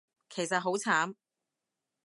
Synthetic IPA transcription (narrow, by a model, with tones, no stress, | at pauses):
kʰe˨˩jsɐ˨t̚ɦo˨˥wt͡sʰaː˨˥m